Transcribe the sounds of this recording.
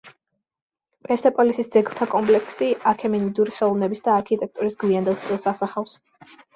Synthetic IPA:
pʼɛɾsɛpʼɔlisisd̪zɛɡlˠt̪ʰakʼɔmpʼlɛkʰsiakʰɛminid̪uɾiχɛlˠɔvnɛbisd̪aːɾkʰit̪ʼɛk̚ʰt̪ʼuɾisɡwiand̪ɛlˠsʼilˠsasaχafs

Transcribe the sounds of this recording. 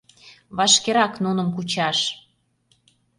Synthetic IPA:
βɑʃkeɾɑknunə̆mkut͡ɕɑʃ

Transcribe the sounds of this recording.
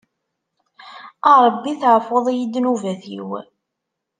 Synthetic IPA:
əɾˤbːiθʕfoðˤijid̪ːnuvæθḭw

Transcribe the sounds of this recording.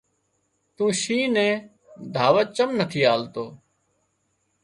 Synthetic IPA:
t̪ũːʃiːnẽː | d̪ʱaːʋət͡ʃəmnət̪ʰiːaːlt̪oː

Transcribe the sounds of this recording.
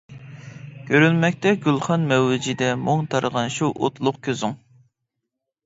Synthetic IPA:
kʲʰøɾynmɛkʲt̪ɛɡʲylˠχɑnmɛwːɪd͡ʒid̪ɛmoŋt̪ʰɑɾəʁɑnʃuʔo̰t̪ʰlˠʊqkʲʰøzuŋ

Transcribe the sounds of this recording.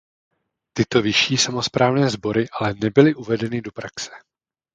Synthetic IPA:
t̪ɪt̪o̞vɪʃiːsamo̞spɾʔaːvnɛːzbo̞ɾɪʔalɛnɛbɪlɪʔuvɛdɛnɪdo̞pɾaksɛ̥

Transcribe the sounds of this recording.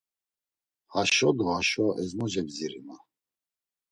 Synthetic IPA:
haʃɔd̪ɔhaʃɔʔɛzmɔd͡ʒɛbziɾima

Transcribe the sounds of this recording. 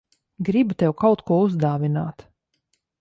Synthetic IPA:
ɡɾibut̪ɛwkawt̪kuɔuzd̪aːvina̰ːt̪

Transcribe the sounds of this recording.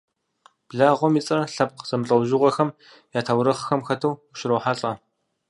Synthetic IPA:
b̥ɮaːʁʷɔmiːt͡sʼɐɬɐp̚qz̥ɐmɨɬʼɐwʒɪʁʷɐxɐm | jaːtʰaːwɾɐχxɐmxɐtʰɐwʃɪɾoːħaɬʼɐ

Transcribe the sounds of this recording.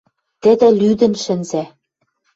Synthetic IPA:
t̪ɘ̆d̪ɘ̆lyd̪ɘ̆nʃɘ̆nzæ

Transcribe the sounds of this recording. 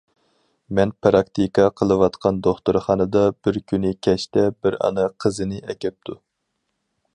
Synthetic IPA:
mɛnpɾɑk̚t̪ʰikʰɑqʰəlˠɨwɑt̪qʰɑnd̪oχt̪uɾχɑnɨd̪ɑbɪɾkʲʰynɪkʲʰɛʃt̪ɛbɪɾɑ̰nɨqʰəzɨnɨʔɛkʲɛp̚t̪ʰu

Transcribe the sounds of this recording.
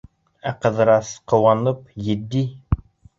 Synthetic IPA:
æqɤ̆ðɤ̆ɾɑsqŏwɑnɤpjɘ̆d̪ːi

